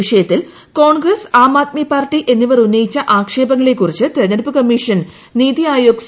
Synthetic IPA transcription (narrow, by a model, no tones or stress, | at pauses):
iʂɐjɐt̪ːil | ko̞ːɳɡrɐsaːmaːt̪̚mijpaːrʈːiʔe̞nːiʋɐrunːɐjit͡ɕːɐʔaːkʂe̞ːbɐŋːɐɭe̞kːurit͡ɕːɨt̪eɐnɐɾpːɨkɐmːiʂɐn | niːðiaːjoːɡs